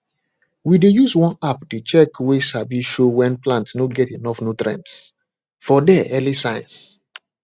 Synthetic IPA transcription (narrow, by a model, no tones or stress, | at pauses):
widejuswɔ̃napdet͡ʃɛkweʃabiʃowɛ̃nplãntnoɡɛtenɔfnutɾɛ̰̃nts | fɔdɛɛlisãɪj̃ns